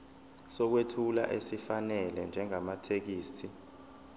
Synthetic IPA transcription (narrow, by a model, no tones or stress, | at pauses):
sɔk̬wetʰula̰ʔesifanɛlɛnd͡ʒʱɛŋamatʰek̬iːstʰi